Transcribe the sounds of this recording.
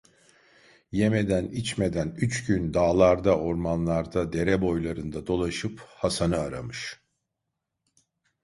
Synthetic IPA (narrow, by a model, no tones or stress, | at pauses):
jeme̞d̪ænit͡ʃme̞d̪ænyt͡ʃɟynd̪aːlˠaɾd̪aʔo̞ɾmanlˠaɾd̪ad̪e̞ɾɛbo̞jlˠaɾɯnd̪ad̪o̞lˠaʃɯphasanɯaɾamɯʃ